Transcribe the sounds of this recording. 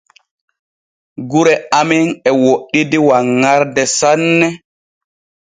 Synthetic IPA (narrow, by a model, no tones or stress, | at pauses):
ɡuɾɛaminɛwoɗːidiwaŋːaɾdɛsanːɛ